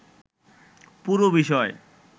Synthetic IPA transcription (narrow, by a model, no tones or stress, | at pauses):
puɾobiʃɔe